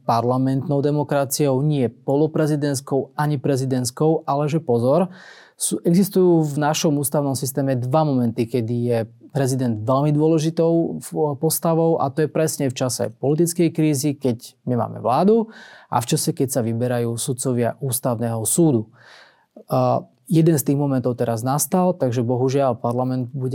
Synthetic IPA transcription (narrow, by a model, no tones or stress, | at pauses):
paɾlamɛnt̪nɔʊd̪ɛmɔkɾat͡siɔʊɲɪɛpɔlɔpɾɛzid̪ɛnskɔʊaɲipɾɛzid̪ɛnskɔʊʔalɛʒɛpɔzɔɾ | suːʔɛɡzist̪ujuːvnaʃɔmuːst̪aʊnɔmsist̪ɛːmɛd̪ʋamɔmɛnt̪ikɛd̪ijɛpɾɛzid̪ɛnd̪ʋɛlmid̪ʊɔlɛʒit̪ɔʊpɔst̪aʋɔʊʔa̰t̪ɔjɛpɾɛsɲɛft͡ʃasɛ̰pɔlit̪̬it͡skɛjkɾiːzikɛɟmima̰ːmɛ̰ʋlaːd̪uʔa̰ft͡ʃasɛkɛcsaʋibɛɾajuːsut̪̚t͡sɔʋɪaʔuːst̪aʊnɛːɦɔsuːd̪u | jɛd̪ɛnst̪iːɣmɔmɛnt̪ɔʊt̪ɛɾaznast̪alt̪aɡʒɛbɔɦuʒɪalpaɾlamɛnd̪buɟɛ